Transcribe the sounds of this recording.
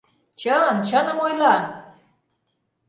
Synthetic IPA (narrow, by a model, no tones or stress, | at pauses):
t͡ɕənt͡ɕənə̆mojlɑ